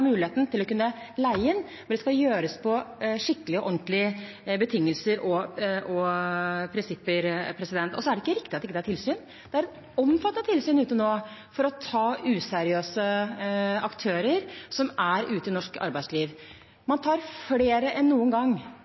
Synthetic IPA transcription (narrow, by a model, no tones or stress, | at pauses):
mʉːlɪheːt̪n̩t̪ɪlːɔkʉnːə | læɪɪn | ɛɖ̪ɛskɑjøːɾəspʰɔʂɪkːəlɪɔʔɔnt̪lɪ | bət̪ʰɪŋːəlsəɾʔɔʔɔ | pʰɾɪnsɪpːəɾpʰɾɛsɪd̪ɛnt̪ɔ̰sɔæɖɛɪkːəɾɪkt̪ɪɑt̪ɪkːəd̪æʈʰɪlsyːn | d̪̥ɛæɾɛ | ɔmfɑt̪ːət̪ʰːɪlsyːnʉːt̪ənoːfɔɾɔt̪ʰɑːʉːsɛɾɪøːsə | ɑkt̪ʰøːɾəɾsɔmæɾʔʉːt̪əɪnɔʂkɑ̰ɾbæɪsliːʋ | mɑnt̪ʰɑːɾfleːɾəʔɛnːuːənɡɑŋː